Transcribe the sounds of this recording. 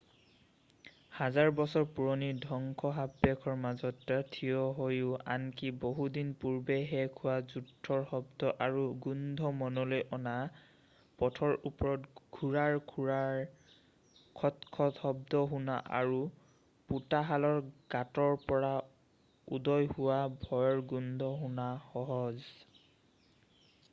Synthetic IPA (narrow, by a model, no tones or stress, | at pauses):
hazaɹbɔsɔɹpuɹɔnidʱɔŋkʰɔɦabɛkʰɔɹmazɔtːatʰiɔɦojʊa̰nkiboɦudinpuɹbeɦɛkʰʊwazudʰʱːɔɹxɔbdɔʔaɹuɡundʱɔmɔnɔlojʔɔna | pɔtʰɔɹupɔɹɔtɡʱuɹaɹkʰuɹaɹ | kʰɔtkʰɔthɔbdɔɦuna̰ʔa̰ɹu | putaɦalɔɹɡ̥atɔɹpɔɹa | ṵdɔjhʊwabʱɔjɔɹɡundʱɔɦunaxɔɦɔz